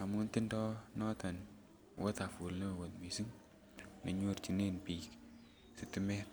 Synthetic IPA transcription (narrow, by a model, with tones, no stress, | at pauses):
a˨mu˦nti˦ndɔ˦nɔ˦ta˨n | wo˦ta˨fu˨lno˦˨wo˨tmi˨si˦ŋ | ne˨ɲo˦ɾt͡ʃi˨ne˦npi˨k | si˨ti˦mɛ˦t̚